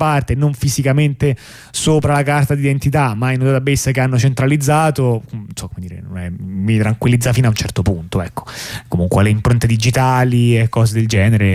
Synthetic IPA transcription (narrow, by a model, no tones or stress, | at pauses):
part̪enoɱfizikament̪e | soːpɾalakart̪ad̪id̪ent̪it̪amːajnuzat̪abːesːakeanːot͡ʃent̪ɾalid̪zːaːt̪onsɔkːomed̪iːɾḛnonɛmit̪ɾaŋkwilːid̪zːafiːnaunt͡ʃɛrt̪opunt̪oɛkːo̥komuŋkwealeimpɾont̪ed̪id͡ʒit̪aːliekːɔːzed̪eld͡ʒɛːneɾe